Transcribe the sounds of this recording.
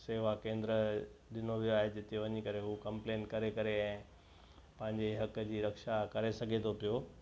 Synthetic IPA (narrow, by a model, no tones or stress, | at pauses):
seːʋakẽːnd̪ɾəɗɪnoʋijoaːɦed͡ʑɪt̪eʋɐɲikɐɾeɦukɐ̃mpleːnkɐɾekɐɾeɛ̃ː | pɐ̃ɦɪ̃ɲ̆d͡ʑeɦɐkd͡ʑiːɾɐkʃakɐɾesɐɡʱet̪ʰopijoː